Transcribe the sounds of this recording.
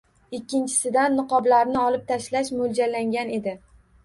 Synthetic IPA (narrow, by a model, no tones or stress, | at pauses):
ɪkʲʰːɪnt͡ʃʰɪ̥sɪd̪anːɨqɒblaɾnɪɒlɪp̚t̪ʰaʃlaʃmʊld͡ʒalːaŋɡʲane̞d̪ɪ